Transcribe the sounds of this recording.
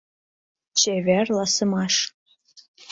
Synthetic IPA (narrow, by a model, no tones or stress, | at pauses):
t͡ʃʰeværlasɨmaʂ